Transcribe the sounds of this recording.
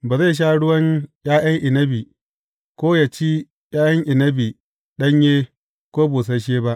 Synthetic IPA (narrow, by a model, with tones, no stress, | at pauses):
baː˨za˦˨ʃ̬aː˦ɽʊ˦wɐ˦ɲj̰aː˦jɐ˦ŋʔɪ˨nɐ˦bi˨ | kʷoː˦ja˨t͡ʃi˦ | jaː˦jɐ˦ŋʔɪ˨nɐ˦bi˨ | ɗɐ˦ɲjeː˦ | kʷoː˦bo˨s̬ɐ˦ʃ̬eː˦ba˦ʔ